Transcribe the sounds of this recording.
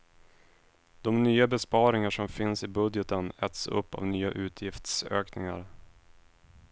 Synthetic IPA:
d̪̥ɔmnyːabɛspɑːɾɪŋaʂɔmfɪnsɪbɵd̪jɛt̪ənɛt̪sɵ̰pːa̰vnyːa̰ʔʉ̟ːt̪ʰjɪft̪sø̰ːknɪŋa̰ɾ

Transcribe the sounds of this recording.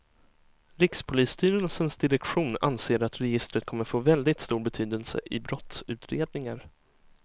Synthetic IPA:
ɾɪkspʰʊliːst̪yːɾəlsənsd̪ɪɾɛkɧuːna̰nseːɾat̪ɾɛjɪst̪ɾət̪̚kʰɔmːəɾfoːvɛld̪ɪt̪st̪uːɾbɛt̪ʰyːd̪əlsə̰ʔɪbɾɔt̪sʉ̟ːt̪ʰɾeːd̪̚nɪŋaɾ

